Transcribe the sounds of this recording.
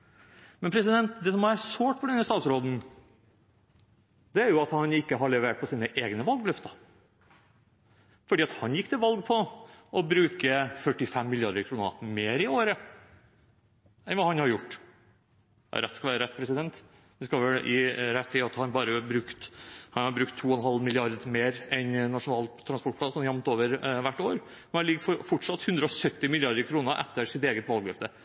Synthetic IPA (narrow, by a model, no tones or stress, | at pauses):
mɛnpʰɾɛs̬ɪd̪ɛnt̪d̪ɛːs̬ɔmæɾsoːʈfɔɖɛnːəst̪ɑːt̪sɾoːd̪n̩ | d̪̥ɛæɾjʊɑt̪hɑnɪkːəɦɑɭɛʋeːʈ̚pʰɔsiːnəʔeːɡnəʋɑlɡlʉft̪ə | fɔɖiːɑt̪hɑnjɪkːt̪ɪlʋɑlɡ̚pʰɔʔɔbɾʉːkəfœʈːɪfɛmːɪljɑɖ̪əɾkʰɾuːnə̰meːɾɪoːɾə | ɛnʋɑːhɑnhɑɾjʊʈː | ɾɛt̪skɑʋæːɾəɾɛt̪ːpʰɾɛsɪd̪ɛnt̪ | ʋɪskɑʋɛlʔɪ̰ɾɛt̪ʰːɪɑt̪hɑɾɑnbɑːɾəbɾʉkt̪hɑnhɑɾbɾʉkt̪ʰːuːɔnɦɑlmɪlɪɑɾd̪meːɾɛnnɑʂʊnɑːlt̪t̪ʰːɾɑnspɔʈpʰlɑnsɔmjɑmt̪oːʋəɾʋæʈːoːɾ | mɛnɑnɪɡfɔɾfɔʈʂɑt̪ːhʉnd̪ɾəɔsœt̪ːɪmɪlɪɑɾd̪əɾkʰɾuːnəɾʔɛ̰t̪ːəɾsɪt̪eːɡət̪ʋɑlˠɡɾɛft̪ə